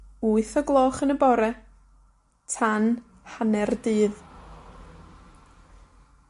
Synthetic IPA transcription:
uːɨθɔɡlˠɔːχənəbɔɾɛ | tʰan | hanɛrdɨːð

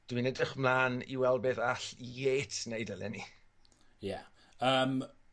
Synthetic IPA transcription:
d̥winɛdrəχmlˠaːnḭwɛlˠbeðaɬjeːtʰnejdəlɛ̰ni | ja | əːm

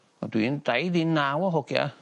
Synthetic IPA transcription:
a̰tuintaidinawaɦoka̰

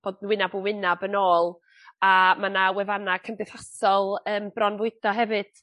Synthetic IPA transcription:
b̥oːdnwɪnabəwɪnabənoːlˠ | amanawɛvanakʰəmbɨθasɔlˠəːmb̥rɔnvʊɨd̥ɔɦɛvɨd̥

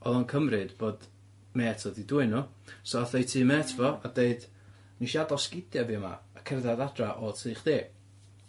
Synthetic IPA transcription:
ɔðɔnkʰəmrɨdb̥oːd | mɛːtʰɔdiduɨnʊ | sɔaθejtʰiːmɛːtʰvɔadeɨd | niʃiadɔskɪdjaviɔma̰ːkʰɛrðadadraʔɔtʰiːχd̥eː

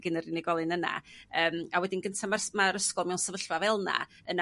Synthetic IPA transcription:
ɡənərɪnɛɡɔlˠɨnəna̰əːmawɛdinɡəntʰamasmaɾəskɔlˠmɛwnsəvəɬvavɛlˠna̰ | əna

